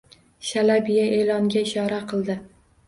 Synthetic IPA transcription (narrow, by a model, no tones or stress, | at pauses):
ʃalabijaʔe̞lɒŋɡʲaɪʃɒɾaqʰɨlˠd̪ɪ